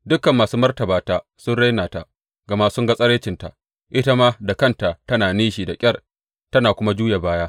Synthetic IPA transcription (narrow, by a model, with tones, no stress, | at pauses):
dʊ˦kːɐ˨mːaː˨suː˦mɐ˦rtɐ˨baː˨taː˦ | sʊ˦nɽa˦jnaː˨ta˨ʔ | ɡɐ˨ma˦sʊ˦ŋɡa˦sʼɐ˦ɽeː˦t͡ʃɪ˨nta̰˨ | ʔɪ˦ta˦maː˦da˨kɐ˦nta˨ʔtɐ˦naː˨niː˦ʃiː˨da˨kʲʼɐ˦r | tɐ˦naː˨kʷʊ˦ma˦d͡ʒuː˦ja˨baː˦ja˦